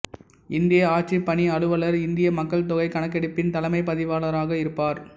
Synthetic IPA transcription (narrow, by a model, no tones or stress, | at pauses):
ɪnd̪ɪjɐaːʈ̚t͡ʃipːɐɳiɐɭɯʋɐlɐɾɪnd̪ɪjɐmɐkːɐɭt̪̬ɔɣɐɪkɐɳɐkːɛɽɪpːɪnt̪ɐlɐmɐɪpɐðɪʋaːlɐɾaːɣɐɪɾɯpːaːɾ